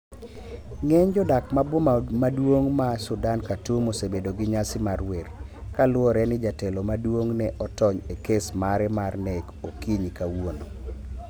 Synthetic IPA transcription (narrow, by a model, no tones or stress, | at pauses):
ŋɛɲd͡ʒɔdakmabwomadwoŋmasʊdankatumosebedoɡɪɲasɪmarwɛrkalʊɔɾɛnɪd͡ʒatɛlomadwoŋnɛʔɔtɔɲekesmaɾɛmarnɛkokiɲikawono